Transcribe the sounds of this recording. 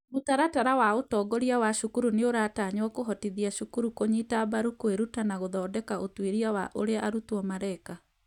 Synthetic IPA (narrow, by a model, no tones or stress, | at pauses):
motaɾataɾawaotɔːɡɔɾiawaʃukuɾuneoɾataɲwɔkoɦɔtiðiaʃukuɾukoɲitabaɾukweɾutanaɣoðɔːdɛkaotweɾiawaʔoɾeaʔaɾutwɔmaɾɛka